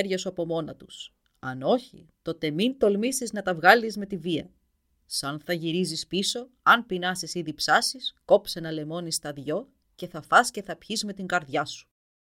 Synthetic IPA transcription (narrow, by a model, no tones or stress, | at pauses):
ɾʝɐsuɐpo̞mo̞nɐt̪us | ɐno̞çḭt̪o̞t̪e̞mint̪o̞lmisiznɐt̪ɐvɣɐlizme̞t̪iviɐ | sɐnθɐʝiɾizispiso̞ | ɐnpinɐsisiðipsɐsisko̞pse̞nɐle̞mo̞nist̪ɐðʝo̞ | ce̞θɐfɐsce̞θɐpçizme̞t̪iŋɡɐɾðjɐsu̥